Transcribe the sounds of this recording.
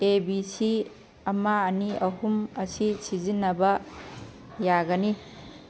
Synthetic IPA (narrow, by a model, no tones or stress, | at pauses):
ebisi | ɐmaːniɐɦumɐsisizinːɐbɐ | jaɡɐni